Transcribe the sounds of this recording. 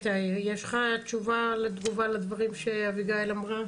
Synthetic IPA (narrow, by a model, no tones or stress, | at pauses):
t̪ajjeʃχat͡ʃuvaled̪ɡuvalad̪vaʁimʃeaviɡaelamʁa